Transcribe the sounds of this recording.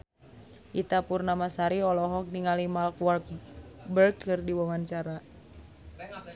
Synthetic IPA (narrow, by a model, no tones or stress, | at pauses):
ʔit̪apurnamasaɾiɔlɔɦɔk̚niŋalimalkwɔrk̚bərkːɨrdiwɔmaɲt͡ʃaɾa